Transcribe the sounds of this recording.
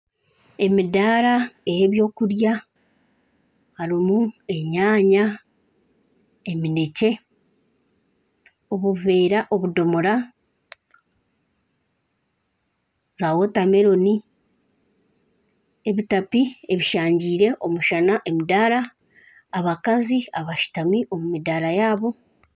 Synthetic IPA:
e̞midaːɾaejeβjo̞ːkuɾja | haɾimue̞ɲaːɲa | e̞mine̞ce̞ | o̞βuveːɾaʔo̞βudo̞moɾa | zaːwo̞tame̞ɾo̞ni | eβitapie̞βiʃaːɲɟiːɾe̞ʔo̞muʃanaʔe̞midaːɾaː | βakaziaβaʃi̥tamiʔo̞mumidaːɾajaːβo̞

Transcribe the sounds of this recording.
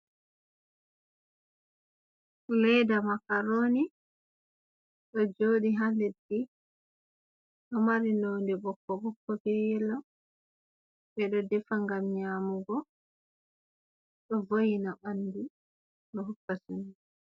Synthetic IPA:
lɛjdamakaɾoːni | ɗɔd͡ʒoːɗiɦalɛdɡi | ɗɔmaɾinoːndɛɓɔkːɔɓɔkːɔbɛjɛlɔ | bɛɗɔdɛfaŋɡamɲaːmuɡɔ | ɗɔvojinabanːdi | ɗɔɦukːasuni

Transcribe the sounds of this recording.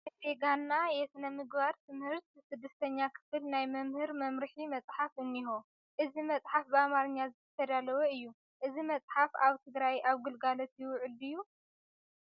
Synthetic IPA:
seɡanːajɛsɨnɐmɨɡbaɾt̪ʰɨmhɨɾt̪sɨd̪ːɐst̪ʰɐɲːakʰɨ̥fɨlnajmɐmhɨɾmɐmɾɨħimɐt͡sʼħafʔɨnːiɦo | ʔɨzimɐt͡sʼħafbɨamaɾɨɲːazɨt̪ʰɐt̪ʰɐd̪alɐwɐɨjːu | ʔɨzimɐt͡sʼħafaβt̪ʰɨɡɾajʔaβɡɨlɡalot̪jɪwʊʕɨlɨjːu

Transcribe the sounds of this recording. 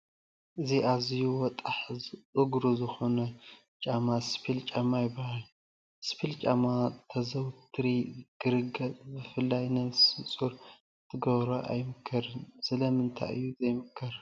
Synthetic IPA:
ʔɨziʔazijuwɔt̪ʼaħʼɨɡɾuzɨxonɐ | t͡ʃʼamaspʰilt͡ʃʼamajɪbːahal | spʰilt͡ʃʼamat̪ʰɐzɐwt̪ʰɨɾiɡ̥ɨɾɨɡɐtbɨfɨlːajnɐβsɨt͡sʼuɾ | t̪ʰɨɡɐβɾɐʔa̰jmɨkʰːɐɾɨnsɨlɐmɨnt̪ʰa̰ʔɨ̰jːuzɐjmɨkʰːɐɾ

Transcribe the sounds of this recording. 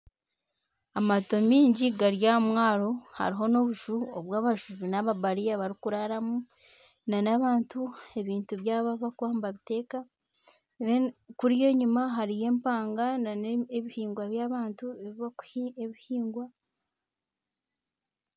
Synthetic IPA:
amato̞miːɲɟiɡaɾjamwaːɾo̞ha̰ɾiɦo̞no̞βuʒuoβwaːβaʒuβinaβabaɾijaβaɾikuɾaɾamu | nanaβaːntue̞βiːntuβjaːβaβakwaːmbaβite̞ːka | kuɾije̞ɲumaɦaɾije̞ːmpaːŋɡananeβihiːŋɡwaβjaβaːntueβiβaeβihiːŋɡwa

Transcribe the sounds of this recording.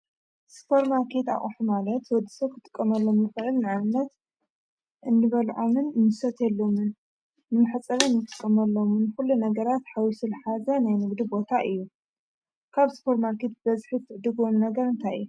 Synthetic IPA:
spʰoɾmaɾkʰe̞t̪a̰χʼħumalɐt̪wɔd̪ːisɐβ̚kʰɨt̪ʼɨ̥kʼːɐmɐlːo̞mɨxɨʕɨlnɨʕanɨnːɐt̪ | ʔɨnːɨβɐlʕomɨnmɨsɐt̪jɛlːomɨnː | ɨmɨħɨt͡sʼɐβɨnːɨt̪ʼɨkʼːɐmɐlːomunɨxulːunɐɡɐɾat̪ħawisɨlħazɐnajnɨɡd̪ibo̞t̪ʰaʔɨjːu | kʰaβspʰoɾmaɾkʰe̞t̪̚bɐzħit̪ʰːɨʕd̪ɨɡomnɐɡɐɾɨnt̪ʰajɨ̰jːu

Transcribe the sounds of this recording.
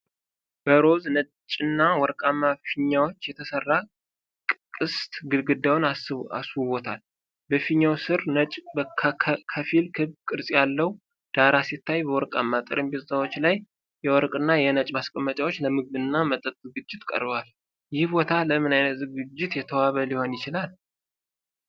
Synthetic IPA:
b̥əɾo̞znə | t͡ʃʼɪnːawɔɾkʼamːafiɲːawot͡ʃːjɛt̪ʰəsərːa | kʼkʼɨst̪ɡɨɡɨd̪awnaa̰sβɔt̪ʰa̰l | bəfiɲːawsɨɾnət͡ʃʼbəkʰəfilkʰɨβkʼɨɾsʼjalːəw | d̪̥aɾasit̪ːajbəwɔɾkʼa̰mːat̪ʼə̰ɾəmbet̪zawot͡ʃːlaj | jɛwɔɾkʼɨnːajɛnət͡ʃʼmaskʼəmːət͡ʃʼawo̞t͡ʃːləmɨɡ̚d̪ɨnːamət̪ʼət̪ʼzɨɡɨd͡ʒːɪt̪kʼə̰ɾbwal | jɪhbo̞t̪ʰaləmɨnajnət̪zɨɡɨd͡ʒːɪt̪jɛt̪ʰəwaβəliho̞njɪt͡ʃɪlal

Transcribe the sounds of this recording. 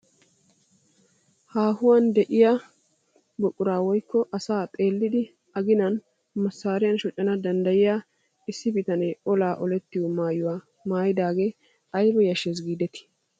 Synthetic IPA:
haːhʊwand̪ɛʔɪja | bɔkʼːʊɾaːwɔjkːɔʔɐsaːt̪ʼe̞ːlːɪd̪ɪ | ɐɡɪnɐn | mɐsːaːɾɪjɐnʃɔt͡ʃʼːɐnɐd̪ɐnd̪ɐjɪjaː | ɪsːɪbɪt̪ɐnɛɔlaːʔɔlɛt̪ːɪjɔmaːjʊwaː | maːjɪd̪aːɡe̞ː | ɐjɾɛjɐʃːes̬ɡiːd̪ɛt̪ɪ̥

